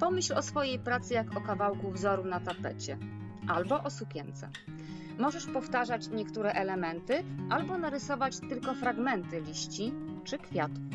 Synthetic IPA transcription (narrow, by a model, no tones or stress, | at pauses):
pɔmɘɕlɔsfɔjejpɾat̪sɘjakɔkavawkuvzɔɾunat̪apɛ̰t͡ɕɛ | ʔalbɔʔɔsukʲɛnt̪sɛ̰ | mɔʐɛʂpɔft̪aʐat͡ɕɲɛkt̪uɾɛʔɛlɛmɛnt̪ɘʔalbɔnaɾɘsɔvat͡ɕt̪ɘlkɔfɾaɡmɛnt̪ɘlʲiɕt͡ɕit͡ʂɘkfʲjat̪u